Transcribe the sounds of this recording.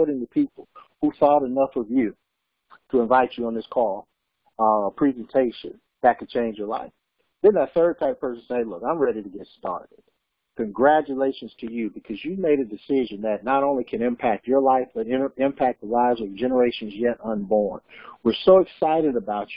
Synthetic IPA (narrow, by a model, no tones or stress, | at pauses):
ɾɪ̃ŋðəpʰipl̩ˠ | huθɔɾɨnʌfʌvjʉ | ɾəə̃ɱvaɪt͡ʃɨə̃nðɪskʰɔlˠ | əpʰɹ̥izɨ̃ntʰeɪʃɨ̰̃n | ðɨt̚kʰɨd̚t͡ʃʰẽɪ̃nd͡ʒə˞la̰ɪf | ðɨ̃nðət̪θɜ˞ɨd̚tʰaɪpʰɜ˞sn̩seɪlʊkãɪ̃mɹɛɾiɾɨɡɛtstɑ̰ɹɾɪd̥̚ | kʰɨ̃nɡɹæt͡ʃɨleɪʃɨ̃nz̥tʰɨjɨbɨkʰʌzjɨmeɪɾɨdɨsɪʒɨ̃nðɨtⁿnəɾõʊ̃likʰɨ̃nɨ̃mpʰæk̚t͡ʃə˞laɪfb̥ʌɾɪ̃ɪ̃mpʰæk̚ðəlaɪvzʌvd͡ʒɛnə˞eɪʃɨ̃nzjɛɾə̃nbɔɹnwə˞soʊɨksaɪɾɨɾəbaʊt͡ʃ